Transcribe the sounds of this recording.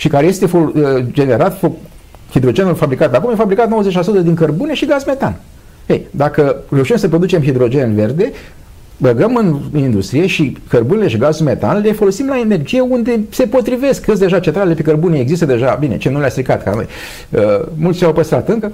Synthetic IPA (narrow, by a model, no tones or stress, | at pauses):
ʃikaɾe̞je̞st̪e̞fod͡ʒe̞ne̞ɾat̪fo | hid̪ɾo̞d͡ʒe̞nulfabɾikat̪akumjefabɾikat̪nowəze̞t͡ʃʲlasut̪əd̪iŋkərbune̞ʃiɡazme̞t̪an | ejd̪akəre̞uʃimsəp̬ɾo̞d̪ut͡ʃe̞mɦid̪ɾo̞d͡ʒe̞nve̞rd̪e̞ | bəɡəmɨnind̪ust̪ɾije̞ʃikərbunele̞ʃiɡazulme̞t̪a̰nle̞fo̞lo̞simlae̞ne̞rd͡ʒije̞und̪e̞se̞po̞t̪ɾive̞skəs̬d̪e̞ʒat͡ʃe̞nt̪ɾalelepekərbunieɡzis̬t̪əd̪e̞ʒabine̞̰t͡ʃenulʲast̪ɾikat̪ka̰no̞̰j | əmult̪st͡ʃʲawpəst̪ɾat̪ɨŋkə